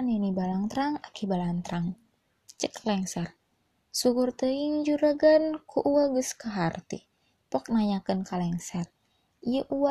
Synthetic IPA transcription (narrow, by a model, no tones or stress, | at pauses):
ninibalaŋt̪ɾaŋakibalant̪ɾaŋ | t͡ʃəklɛŋsɛr | sukurt̪əiŋd͡ʒuɾaɡankʰuʔuwaɡəskaɦart̪ḭ | pɔk̚naɲakənkalɛŋsɛr | ijəʔuwa